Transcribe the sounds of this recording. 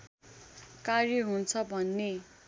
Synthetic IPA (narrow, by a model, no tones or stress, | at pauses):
karjʌɦunt͡sʰʌbʱʌnːe